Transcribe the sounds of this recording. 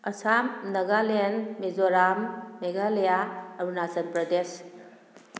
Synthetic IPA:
ɐsamnɐɡalenmezoɾamːeɡalejaɐbunasɐnpɾɐdes

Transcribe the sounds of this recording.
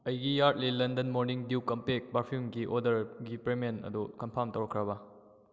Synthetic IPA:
ɐjɡijaɾt̚lilɐndɐnmoɾniŋdiwkɐmpek̚paɾpʰjumɡiʔodɐɾɡipɾemenɐ̰dukɐmpʰawntɐwɾɐkʰːɾɐbɐ

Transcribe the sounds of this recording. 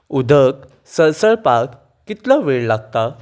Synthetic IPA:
ud̪ʱək | səɾsəɭpak | kːit̪laʋeɭlaɡ̚t̪a

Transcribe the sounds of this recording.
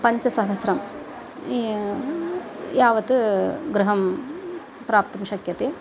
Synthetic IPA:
pɐɲt͡ʃɐsɐɦɐsɾɐm | i | jaːʋɐt̪ɨɡɾuɦɐm | pɾaːp̚t̪ɐmʃɐkjɐt̪e

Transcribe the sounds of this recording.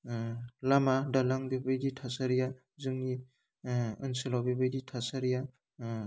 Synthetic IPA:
lamadalaŋbebɯjditʰasaɾija | zɯŋni | ɯnselawbebɯjditʰasaɾija

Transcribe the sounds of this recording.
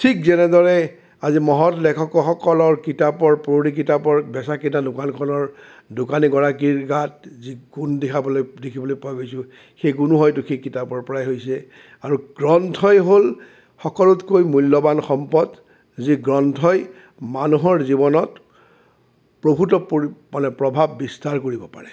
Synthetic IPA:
tʰik̚zɛnɛdɔɹɛ | azimɔɦɔtlɛkʰɔkɔxɔkɔlɔɹkitapɔɹpɹoɹik̬itapɔɹbɛsakinadʊkankʰɔnɔɹ | dʊkaniɡɔɹak̬iɹɡat̚ziɡundɛkʰabɔlojdekʰibɔlojpaɡojsʊ̃ | xejɡunuɦɔjtʊxejkitapɔɹpɔɹajɦojsɛ | aɹuɡ̥ɹɔntʰɔjɦol | xɔkɔlʊtkojmulːɔbanxɔmpɔd | ziɡɹɔntʰɔj | manuɦɔɹzibɔnɔt | pɹobʱutɔpmanɛpɹɔbʱabːistaɹkoɹibɔpa̰ɹɛ

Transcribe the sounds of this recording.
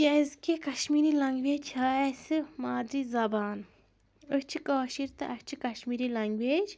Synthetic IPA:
jɐzkekɐʃmiːɾilɐŋɡʋeːt͡ʃʰaːesɨmaːd̪ɾizɐbaːn | ət͡ʃʰikaːʃiɾt̪ɐʔɐt͡ʃʰikɐʃmiːɾilɐŋɡweːd͡ʒ

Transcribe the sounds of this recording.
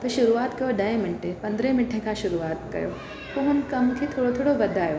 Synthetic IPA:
t̪ɐʃʊɾuaːt̪kɐjoɖɐẽmɪɳʈʰepɐ̃nd̪ɾẽmɪʈʰekaʃʊɾuaːt̪kɐ̰jo̰ː | poɦʊnkɐmkʰet̪ʰoːɽot̪ʰoːɽobɐd̪ʱaːjoː

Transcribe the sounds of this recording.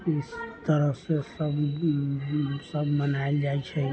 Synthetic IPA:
ɪst̪əɾəsesəb | səbʱmənaeld͡ʒaet͡ʃʰɛ

